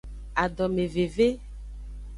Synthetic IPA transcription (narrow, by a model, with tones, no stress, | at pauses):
a˨ɖɔ˨me˨ve˨ve˦